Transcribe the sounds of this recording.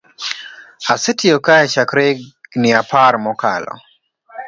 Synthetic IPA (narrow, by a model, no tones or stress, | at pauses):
asɛtʰɪokaɛt͡ʃakɾeɡnɪapʰaɾmɔka̰lɔ̰